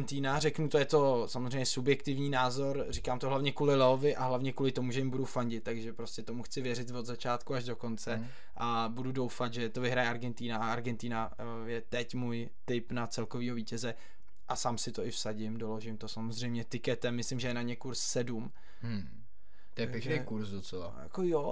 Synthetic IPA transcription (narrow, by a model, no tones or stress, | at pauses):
nt̪iːnarɛknut̪ojɛt̪o̞samozrejɲɛsubjɛkt̪ɪvɲiːnaːzo̞ɾrikaːmt̪oɦlavɲɛkuːlɪlɛovɪʔaɦlavɲɛkuːlɪt̪omuʒɛjɪmbudufaɲɟɪt̪tːaɡʒɛpɾo̞scʲɛt̪o̞muxt͡sɪvjɛɾɪt̪vo̞d̪zat͡ʃaːt̪kuaʒdo̞ko̞nt͡sɛ | ʔabududo̞wfat̪ʒɛt̪o̞vɪɦɾajɛaɾɡɛnt̪iːnaaaɾɡɛnt̪iːna | jɛt̪ɛcmuːj | t̪ɪpnat͡sɛlkoviːɦo̞viːcɛzɛ | ʔasaːmsɪt̪o̞ɪfsaɟɪmdo̞lo̞ʒɪmt̪o̞samozr̝ɛjmɲɛt̪ɪkɛt̪ɛmːɪslɪmʒɛjɛnamɲɛkuɾssɛdum | t̪jɛpɛʒnekuɾsdot͡sɛla̰ja̰kojo